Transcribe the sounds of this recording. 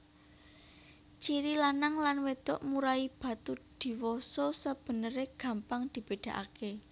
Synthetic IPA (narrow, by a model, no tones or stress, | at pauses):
t͡ʃiɾilanaŋlanwet̪ɔ̰ʔmuɾaib̥ä̤t̪ud̪̥i̤wɔsɔsəb̥ə̤nəɾeɡ̥a̤mpaŋd̪̥i̤b̥e̤ɖ̥a̤ʔa̰ke